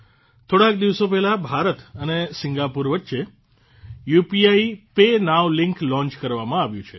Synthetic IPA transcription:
t̪ʰoɽak̚d̪iʋsopɛɦlabʱaɾət̪ənesɪŋɡapuɾʋətːʃe | jupiaipenaʋlɪŋklɔ̃ɲt͡ʃkəɾʋamãaʋjũt͡ʃʰḛ

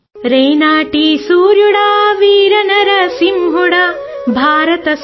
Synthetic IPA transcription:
ɾejnaːʈisuːɾjuɽaːʋiːɾɐnɐɾɐsimɦuɽabʱaːɾɐt̪ɐs

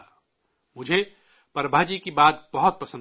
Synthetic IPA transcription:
mʊd͡ʒʱe | pɐɾbʱaːd͡ʒikibaːt̪̚bɐɦʊt̪̚pɐsə̃n

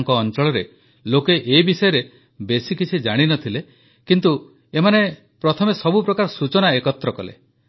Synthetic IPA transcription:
ŋkɔːnt͡ʃɔɭɔɾe | lokeʔebisɔjɔɾe | besikit͡ʃʰid͡ʒaɽ̃inɔt̪ʰile | kint̪u | emane | pɾɔt̪ʰɔmesɔbupɾɔkaɾɔsut͡ʃɔnaekɔt̪ɾɔkɔlḛ

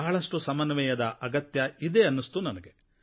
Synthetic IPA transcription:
aːɐɭɐʂʈusɐmɐnʋɛjɐd̪ɐʔɐɡɐt̪jɐid̪eːɐnːist̪unɐnɐɡe

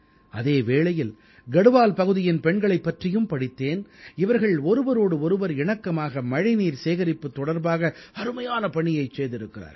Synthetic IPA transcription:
ɐðeːʋeːɭɐjɪl | ɡɐɽɯʋaːlpɐɣɯðɪjɪnpɛɳɡɐɭɐɪpːɐʈrɪjɯmpɐɽɪt̪ːeːnɪʋɐɾɣɐɭɔɾɯʋɐɾoːɽɯɔɾɯʋɐɾɪɳɐkːɐmaːɣɐmɐɻɪniːɾseːɣɐɾɪpːɯt̪ːɔɽɐɾbaːɣɐɐɾɯmɐjaːnɐpɐɳɪjɐɪt͡ʃːeːðɪɾɯkːɪra̰ːɾ

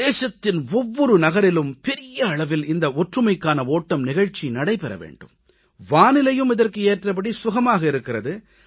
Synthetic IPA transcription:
deːʂɐt̪ːɪnɔʋːɔɾɯnɐɣɐɾɪlɯmpɛɾɪjɐːɭɐʋɪlɪnd̪ɐɔʈrɯmɐɪkːaːnɐoːʈːɐmnɪɣɐɻt͡ʃːinɐɽɐɪpɛɾɐ̰ʋḛːɳɖɯ̰m | ʋaːnɪlɐjɯmɪðɐrkɯeːʈrɐp̬ɐɽisʊɣɐmaːɣɐɪɾɯkːɪrɐðɯ

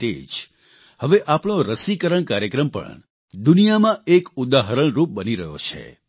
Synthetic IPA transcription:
ʈḛd͡ʒ | həʋeʔapɳ̃oɾəsikəɾəɳkaɾjəkɾəmpə̰ɳ | d̪unijamãekud̪aɦəɾəɳ̃ɾup̚bəniɾəɦjo̰t͡ʃʰḛ

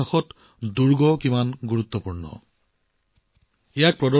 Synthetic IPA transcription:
axɔt | duɹɡɔkimanɡuɹut̪ːɔpuɹnɔ̰ | ijak̚pɹɔdɔ

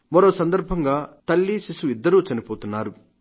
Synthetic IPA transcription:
mɐɾoːsɐnd̪ɐɾbʱɐŋɡaːt̪ɐlːiʃisuid̪ːɐɾuːt͡ʃɐnipoːt̪unːaːɾu

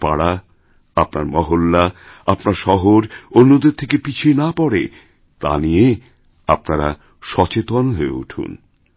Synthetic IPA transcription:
paɽa | apnaɾmɔɦolːaapnaɾʃɔɦoɾonːod̪eɾt̪ʰekepit͡ɕʰienapɔɽḛ | t̪a̰nije | a̰p̚naɾa | ʃɔt͡ɕet̪onɦoeṵʈʰṵn

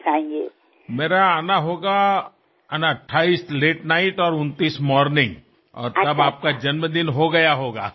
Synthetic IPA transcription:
t̪ʰãːŋkjṵ | meːɾaanaɦoːɡa | ɐnaʈʰːaːiːsleːʈnaːɪʈɔːɾʊnt̪iːsmɔːɾnɪ̃ŋɡ | ɔ̰ːɾt̪ɐbaːp̚kad͡ʒɐnməd̪ɪnɦoɡɐjaɦoːɡa̰ː

